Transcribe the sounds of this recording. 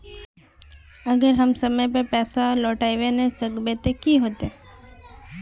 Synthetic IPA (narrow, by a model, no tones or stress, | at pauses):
əɡəɾɦəmsəməjpəpɛsalɔʈaiʋenesəɡbet̪ekiɦot̪e